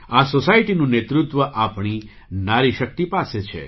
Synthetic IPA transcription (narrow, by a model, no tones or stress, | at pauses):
asosajʈinũnet̪ɾut̪ʋəʔapɳ̃i | naɾiʃək̚t̪ipaset͡ʃʰḛ